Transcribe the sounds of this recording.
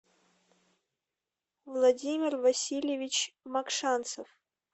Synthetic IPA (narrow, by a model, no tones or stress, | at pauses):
vlˠɐdʲimʲɪrvɐsʲilʲjɪvʲɪt͡ɕmɐkʂant̪səf